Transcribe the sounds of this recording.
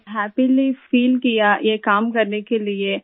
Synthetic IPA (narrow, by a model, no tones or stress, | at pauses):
ɦɛːpilifiːlkijajekaːmkɐɾnekelie